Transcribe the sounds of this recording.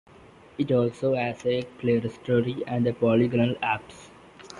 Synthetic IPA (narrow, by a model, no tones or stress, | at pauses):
ɪʈɔːlsoːɦæsepleːəɾsʈʰoːɾiæ̃ɳɖepɔːliɡənəlæps